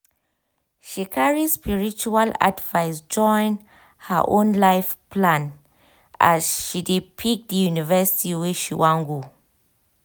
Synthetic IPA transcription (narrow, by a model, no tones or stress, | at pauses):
ʃikʰaɹispiɹit͡ʃuala̰dvaɪsd͡ʒɔ̃ɪ̃n | hə̰ʔõnlaɪfplãn | a̰zʃidepʰik̚dəjunivɛsi̥tiweʃiwãnɡo